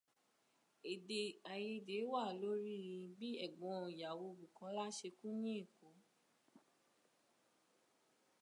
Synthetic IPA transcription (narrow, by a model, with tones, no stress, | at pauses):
e˨de˧a˨je˧de˨˦wa˦˨lo˨˦ɾi˦ɾĩ˧bi˦ɛ˦˨ɡ͡bɔ̃˨˧˦ja˨wo˧bu˨kɔ̃˨˦la˦ʃe˧kũ˦nĩ˦e˦˨ko˨˦